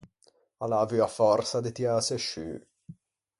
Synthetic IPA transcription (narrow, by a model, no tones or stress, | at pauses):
alavyafɔrsad̪et̪iaseʃy̰